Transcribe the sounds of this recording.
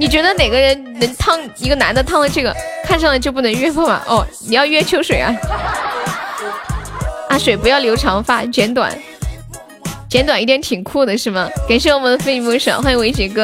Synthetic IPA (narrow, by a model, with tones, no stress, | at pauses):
ni˨˩t͡ɕɥɛ˧˥d̪ə˧ne˨˩ɪɡə˦ɻə˧˥nnə˧˥ŋt̪ʰɑ˥˧ŋi˧˥ɡə˧na˧˥nd̪ə˧t̪ʰɑ˥ŋlə˧ʈ͡ʂɤ˥˩ɡə̰˩kʰa˥˧nʂ̬ɑ˥˩ŋlə˩t͡ɕjo˥˧ʊp̬u˥˩nə˧˥ŋɥɛ˥fɔ˥˩mɐ̰˨˩ʔɔ˥˩ni˨˩jɑ˥˧ʊɥɛ˥t͡ɕʰjo˧˥ʊʂwe˨˩ɪʔɐ˧˦ | ɐ˥˩ʂwe˨˩ɪpu˧˥jɑ˥˩ʊljo˧˥ʊʈ͡ʂʰɑ˧˥ŋfa˥˩t͡ɕɥɛ˧˥nt̪̬wa̰˨˩˦n | t͡ɕjɛ˧˥nt̪wa˨˩ni˥t̪jɛ˧˥nt̪ʰi˨˩ŋkʰu˥˩d̪ə˩ʂɻ̩˥˩mə˩ka˨˩nʂ̬i˥wɔ˥˩mə˥d̪ə˧fe˥˧ɪ˥˩mu˧˥ʂɑ̰˨˩˥xwa˥n˥˧we˧˥ɪt͡ɕi˧˩kɤ˥˩